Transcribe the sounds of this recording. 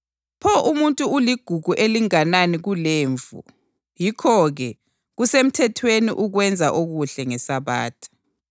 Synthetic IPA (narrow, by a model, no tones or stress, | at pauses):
pʰɔʔumuntʼuuliɡ̥ʱuɣʱuʔeliŋananiɣuleːɱvṵ | jikʰɔɣɛ | ɣusem̩tʰɛtʰwenḭʔuɣwɛnd͡zʱaʔoɣuɬɛŋɛsaβaːtʰḁ